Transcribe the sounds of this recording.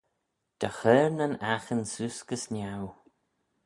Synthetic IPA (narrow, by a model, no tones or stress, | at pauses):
d̪̥əxɛɹnənaxənsuskəsnʲaw